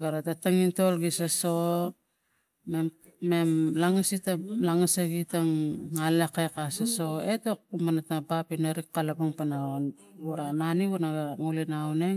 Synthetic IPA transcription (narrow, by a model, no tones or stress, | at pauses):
ɡaɾatataŋintolɡisaso | me | memlaŋasitalaŋasaɡitaŋːalekajkasaso̞etok̚umanatnabapinaɾikːalabuŋpanaon | uɾananiβunaɡaŋulinawne